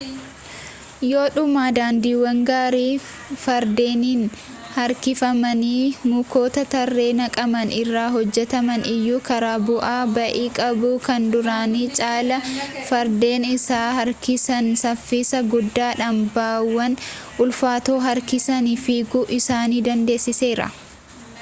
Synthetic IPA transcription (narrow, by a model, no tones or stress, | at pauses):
jo̞ːᶑʊmaːd̪aːnd̪iːwɐŋɡaːɾiː | fɐɾd̪e̞ːniːn | hɐɾkɪfɐmɐniːmuko̞ːt̪ɐt̪ɐrːe̞ːnɐkʼɐmɐnɪrːaːɦɔd͡ʒːɛt̪ɐmɐnɪjːuːkɐɾaːbʊʔaːbɐʔiːkʼɐbukɐnd̪ʊɾaːniːt͡ʃʼaːlɐfɐɾd̪e̞ːnɪsaːhɐɾkɪsɐnsɐfːiːsɐɡʊd̪ːaːᶑɐmbaːwːɐnʔʊlfaːt̪o̞ːɦɐɾkɪsɐniːfiːɡʊʔɪsaːniːd̪ɐnd̪e̞ːsːɪse̞ːɾɐ̰